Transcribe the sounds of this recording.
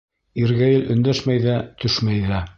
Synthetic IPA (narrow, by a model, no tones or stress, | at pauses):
iɾɣæjɘlɵ̆nd̪æʃmæjðæt̪ɵʃmæjðæ